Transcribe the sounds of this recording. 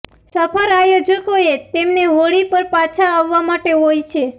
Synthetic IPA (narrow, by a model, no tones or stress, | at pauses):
səpʰəɾajod͡ʒəkoet̪emneɦoɭipəɾpat͡ʃʰaːʋːamaʈeɦojt͡ʃʰe